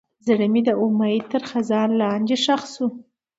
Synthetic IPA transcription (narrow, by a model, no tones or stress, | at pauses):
zaɽəmid̪əʊmait̪əɾxazɑɾlɑnd̪eʃaxsu